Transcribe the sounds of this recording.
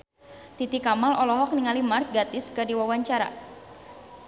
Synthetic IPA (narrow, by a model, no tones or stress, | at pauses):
t̪it̪ikamalɔlɔɦɔk̚niŋalimart̪̚ɡat̪ɪskɨrdiwawaɲt͡ʃaɾa̰